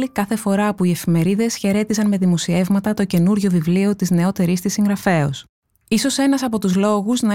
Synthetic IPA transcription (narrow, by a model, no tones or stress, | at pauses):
ikɐθe̞fo̞ɾɐːpuie̞fime̞ɾiðe̞sçe̞ɾe̞t̪isɐnme̞ðimosie̞vmɐt̪ɐt̪oce̞nuɾʝo̞vivlio̞t̪izne̞o̞t̪e̞ɾist̪isiŋɡɾɐfe̞o̰s | iso̞se̞nɐsɐpo̞t̪uzlo̞ɣuznɐ